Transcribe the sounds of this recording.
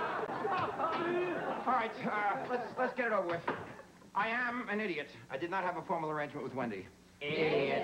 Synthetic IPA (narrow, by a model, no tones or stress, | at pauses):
ɑlˠɹaɪt̚lətslətsɡ̥ɛɾɨɾoʊvə˞wɨð | ʔaɪɨ̃mɨ̃nɪɾiɨɾʔaɪdɨdⁿnət̚hɨvəfɔɹml̩ˠə˞ẽɪ̃nd͡ʒmɨ̃nʔ̚wɨðwɛ̃ndḭ